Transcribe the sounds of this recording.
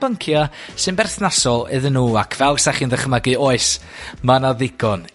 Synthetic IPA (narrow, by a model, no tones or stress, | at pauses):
b̥əŋkʰjasɨnbɛrθnasɔlˠɪðənːuːakʰvɛlˠsaχiːnðəχəmaɡɨoːɨs | manaðɪɡ̥ɔn